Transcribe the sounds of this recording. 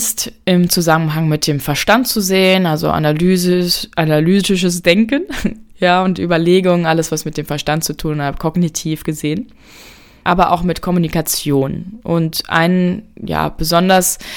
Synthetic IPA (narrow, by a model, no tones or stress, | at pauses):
stʔɪmt͡suzamənɦaŋmɪt̚d̥eːmfɛɐʃtant̚t͡suzeːənalzo̰ʔa̰nalyːzʔanalyːzɪʃ̬əsd̥ɛŋkənjaːʊntʔyːbɐleːɡʊŋʔaləsv̥asmɪt̚d̥eːmfɛɐʃtantt͡sutʰuːnaːbə̥kʰɔɡnitʰiːfɡ̥əzeːən | ʔaːbɐʔa̰ʊxmɪtkʰɔmunikat͡sjoːnʔʊntʔa̰ɪnja̰ːb̥əzɔndɐs